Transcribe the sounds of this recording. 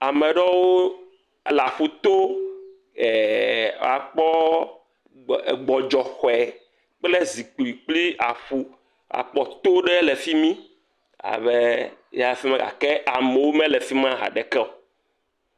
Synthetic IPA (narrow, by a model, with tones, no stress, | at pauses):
a˨mɛ˨ɖɔ˦wo˦˨ | la˨ɸu˨t̪o˦ | ɛ˨a̰˨k͡pɔ˦˨ | ɡ͡bɔ˨d͡ʒɔ˨xɔ˨ɛ˨ | k͡ple˦zi˨k͡pli˨k͡pli˦a˨ɸu˦ | a̰˨k͡pɔ˦t̪o˦ɖɛ˦lɛ˨fi˦mĩ˦ | a̰˨βe˦ | ja˦˨˦fi˦mɛ̃˦ɡa̰˨kɛ˦a˨mɛ˨wo˦mɛ̃˦lɛ˨fi˦mã˦ɦa̰˨ɖɛ˨kɛ˦o˨